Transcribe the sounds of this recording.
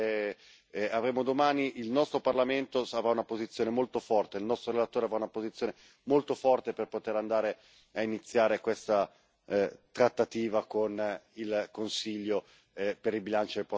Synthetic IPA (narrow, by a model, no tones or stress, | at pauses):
avɾeːmod̪omaːniʔilnɔst̪ɾoparlament̪oavɾaunapozit̪sːjoːnemolt̪ofɔrt̪eilnɔst̪ɾoɾelat̪oːɾeavɾaunapozit̪sjoːne | molt̪ofɔrt̪eperpot̪eɾand̪aːɾe | ainit̪sːjaːɾekwest̪a | t̪ɾat̪ːat̪iːvakonilkonsiʎːo | peɾilbilant͡ʃod̪elpɔ